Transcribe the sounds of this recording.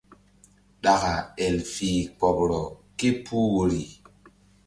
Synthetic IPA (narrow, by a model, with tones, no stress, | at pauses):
ɗa˨ɣa˨ɛ˨lfi˨k͡pɔ˨bɾɔ˨ki˦pʰu˦wo˨ɾi˨